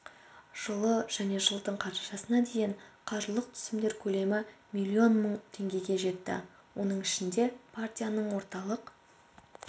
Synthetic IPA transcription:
ʒ̥əlˠəʒ̥æne̞ʒəlˠd̪əɴqʰɑɾt̪ɑʃɑsənɑd̪e̞jɪɴqʰɑʒəlˠəq̚t̪ʰʏ̥sɪmd̪e̞ɾkʲʰɵle̞mɪmʲilʲːio̞nməɴt̪ʰe̞ŋɡʲe̞ɡʲe̞ʒe̞t̪ːɪ̰ | wʔo̞n̪əɴɪʃɪnd̪e̞pʰart̪ʲijanəɴwo̞ɾt̪ɑlˠəq

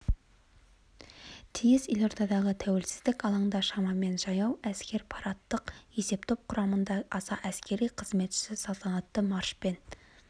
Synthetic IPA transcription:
t̪ʰijɪsje̞lʲo̞ɾt̪ʰɑd̪ɑʁət̪ʰæwe̞lsɪ̥zd̪ɪkɑlˠɑɴd̪ɑʃɑmɑme̞nʒɑjɑwæskʲe̞ɾpʰɑɾɑt̪ːəqje̞se̞p̚t̪ʰop̚qʰʊɾɑmənd̪ɑɑsɑʔæskʲe̞ɾijqʰəzme̞t̪ʃɪ̥sɪsɑlˠt̪ʰɑnɑt̪ːəmɑɾʃpe̞n

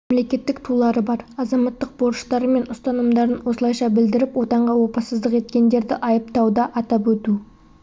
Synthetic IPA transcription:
memle̞kʲe̞t̪ːɪkt̪ʰulˠɑɾəbɑɾɑzɑmɑt̪ːəq̚boɾəʃt̪ɑɾəme̞nʊst̪ɑnəmd̪ɑɾənwo̞səlˠɑjʃɑbɪld̪ɪɾɪpwo̞t̪ɑɴʁɑwo̞pəsəzd̪əqe̞t̪kʲe̞nd̪e̞ɾd̪ɪʔɑjəp̚t̪ɑwd̪ɑʔɑt̪ɑpwɵt̪u

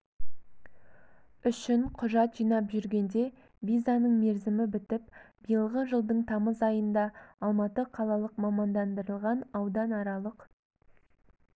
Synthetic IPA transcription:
ʏʃɪɴqʰʊʒɑt̪ʒijnɑpʒʏɾɡʲe̞nd̪e̞ | vʲizanəɴme̞ɾzɪmɪbɪt̪ɪp̚b̥əjəlˠʁəʒəlˠd̪əɴt̪ʰɑməzɑjənd̪ɑːlˠmɑt̪əqʰɑlˠɑlˠəqmɑmɑnd̪ɑnd̪əɾəlˠʁɑnɑwd̪ɑnɑɾɑlˠəq

